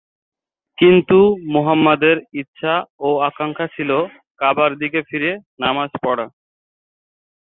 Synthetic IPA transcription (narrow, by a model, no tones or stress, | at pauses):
kint̪umoɦamːad̪eɾitːʃʰaoakaŋkʰat͡ɕʰilo | kabaɾd̪ikefʰiɾenamaspɔɽa